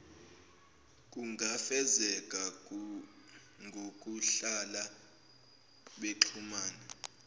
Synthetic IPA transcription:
kʼuŋʱafɛzɛkʼa | ŋʱok̬ʼuɬala | ɓeǁʰumaːnɛ

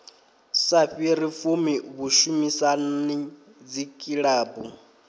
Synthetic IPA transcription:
saɸiɾifumiβuʃumisani | d͡zikʼiɺaːbu

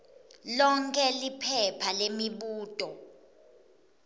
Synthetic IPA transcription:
lɔŋkʰʼɛlipʰɛpʰalemiɓuːtʼɔ

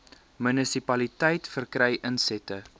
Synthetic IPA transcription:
mynəsipɐlitəjtfərkrɛjʔənsɛtə

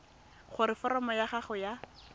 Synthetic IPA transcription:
χʊɾɪfɔɾɔmɔjaχaχʊja

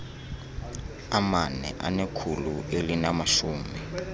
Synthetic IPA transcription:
amanɛ̰ʔa̰nekʰuluʔelinamaʃuːmɛ

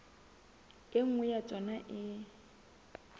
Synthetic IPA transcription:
ɪŋ̩wɛjat͡sʼɔnaʔɪ

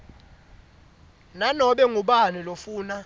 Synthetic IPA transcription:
nanɔɓɛŋuɓanulofuːna

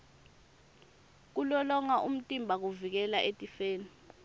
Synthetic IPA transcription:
k̬ulɔlɔŋaʔum̩tʼimbʱak̬uvik̬ɛlaʔetʼifeːni

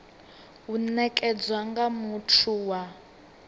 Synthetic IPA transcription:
unɛkʼɛd͡zwaŋɡamutʰuwa

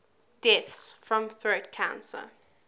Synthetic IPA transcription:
d̥ɛθsfɹə̃mθɹəʊtkʰã̰ʊ̃nsə̰

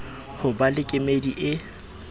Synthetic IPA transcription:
hʊbalɪkʼɪmediʔɪ

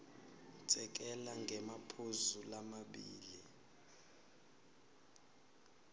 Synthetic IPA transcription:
t͡sʼɛk̬ʼɛlaŋɡʱɛmapʰozulamaɓiːli

